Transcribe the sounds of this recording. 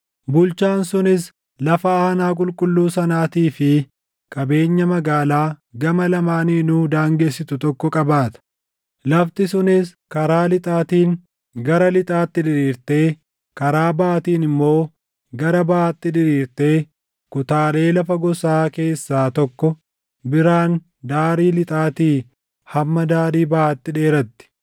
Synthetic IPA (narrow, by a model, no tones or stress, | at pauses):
bʊlt͡ʃaːnsʊnɪs | lɐfɐaːnaːk̬ʼʊlkʼʊlːuːsɐnaːt̪iːfɪ | kʼɐbe̞ːɲːɐmɐɡaːlaːɡɐmɐlɐmaːniːnuːd̪aːŋɡeːsːɪt̪ʊt̪ɔkːɔkʼɐbaːt̪ɐ̥ | lɐft̪ɪsʊnɪs | kɐɾaːlɪt̪ʼaːt̪iːŋ | ɡɐɾɐlɪt̪ʼaːt̪ːɪᶑɪɾiːɾt̪e̞ː | kɐɾaːbɐʔːt̪iːnɪmːo̞ː | ɡɐɾɐbɐʔaːt̪ːɪdɪɾiːɾt̪e̞ː | kʊt̪aːle̞ːlɐfɐɡɔsaːke̞ːsːaːt̪ɔkːɔ | bɪɾaːn | d̪aːɾiːlɪt̪ʼaːt̪iː | hɐmːɐd̪aːɾiːbɐʔaːt̪ːɪᶑe̞ːɾɐt̪ːɪ̥